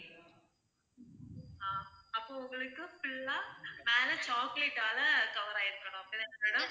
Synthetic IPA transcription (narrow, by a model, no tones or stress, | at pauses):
aːɐpːoːʊŋɡɐɭɯkːɯfɪɭːameːlɐt͡ʃaːkleʈːaːlɐɡɐʋɐɾɐ̃ɪɾɯkːɐɽʊ̃pːɪlːɐnːɐʋeːɽɯ̃